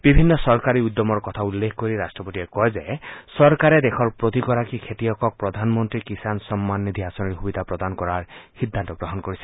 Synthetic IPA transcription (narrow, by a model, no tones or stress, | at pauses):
b̥ibʱinːɔsɔɾkaɾiud̪ːɔmɔɾkɔt̪ʰaulːekʰɔkoɾiɾasʈɾɔpoʈiekɔezesɔɾkaɾed̪ekʰɔɾpɾot̪ikɔɾakikʰet̪iɔkɔk̚pɾɔd̪ʱanɔmɔnt̪ɾikisansɔmːanːid̪ʱiasɔniɾɦubid̪ʱapɾɔd̪anɔkɔɾaɹhid̪ʱːant̪ɔɡɾɔɦɔnkoɾisi̥